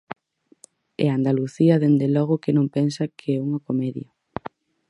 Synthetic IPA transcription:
ɛ̰and̪aluθiɐðend̪elɔɣ̞ʊkɪnõŋpɛnsɐkʰeɛuŋokomɛðjo

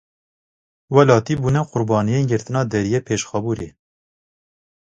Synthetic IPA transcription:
wɛlɑːt̪iːbuːnɛqʊɾbɑːnijeːnɡɨɾt̪ɨnɑːd̪ɛɾijeːpʰeːʃxɑbuːɾeː

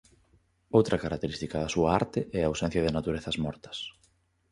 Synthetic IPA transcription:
owt̪ɾɐkaɾak̚t̪eɾist̪ikɐðɐsuɐa̰ɾt̪ɪʔɛaːwsɛ̃n̟θjɐðɪnat̪uɾeθɐzmɔɾt̪ɐ̥s

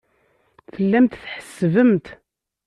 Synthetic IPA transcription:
θəlːæmt̪θħə̥sːvəmt̪

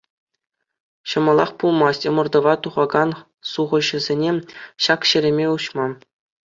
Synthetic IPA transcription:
ɕɤ̆mɤ̆lˠɑχpulˠmɑsʲtʲɤ̆mɤ̆rd̪ɤ̆ʋɑt̪uʁɑɡɑn | suʁɤ̆ʑɘ̆zʲenʲeɕɑkɕɘ̆ɾʲĕmʲeuɕmɑ

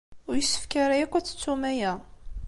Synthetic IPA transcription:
ʊɾjəsːə̥fkaɾajækʷːæt͡sːə̥t͡sːumæjæ

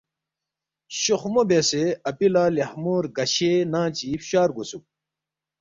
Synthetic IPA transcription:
ɕoxmobeseɐpilaːlehmuːɾɡɐɕenãːt͡ɕifɕaːɾɡusu

